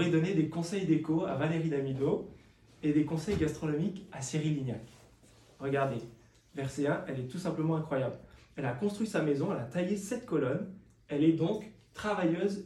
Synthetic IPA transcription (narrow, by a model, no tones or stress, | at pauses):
ʁɛd̪ɔned̪ekɔ̃sɛjd̪ekoa̰valeʁid̪amid̪o | ed̪ekɔ̃sɛjɡʲast̪χɔnɔmikaseʁilinja̰k | ʁəɡaʁd̪e | vɛʁseɛ̃ʔɛlɛt̪usɛ̃pləmɑ̃ɛ̃kχwajablɛlakɔ̃st̪χɥisamezɔ̃ɛlat̪ajesɛt̪kɔlɔn | ɛlɛd̪ɔ̃k | t̪χavajøz